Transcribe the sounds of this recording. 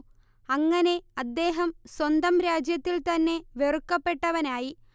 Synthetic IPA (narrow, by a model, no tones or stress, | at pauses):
ɐŋːɐne̞ɐd̪ːe̞ːɦɐmswɐnd̪ɐmɾaːd͡ʑjɐt̪ːilt̪ɐnːe̞ʋerukːɐpːe̞ʈːɐʋɐnaːji